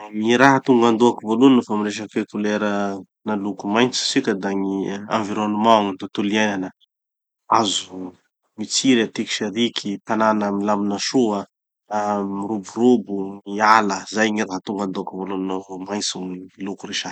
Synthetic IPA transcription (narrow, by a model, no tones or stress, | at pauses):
ŋiɾaɦat̪uŋɡand̪uakivoluninəfamiɾeʃ̬əkekuleɾə | nalukumajnt͡si̥sikʲəd̪aŋiã̰ɱviɾonumãŋnt̪ot̪uliajnanə | azu | mit͡siɾat̪iki̥ʃeɾikʰit̪ananəmilaminəʃuə | miɾuburubuŋialəzajŋiraɦat̪uŋɡand̪uakivoluninavomajnt͡suŋilukuɾeʃḁ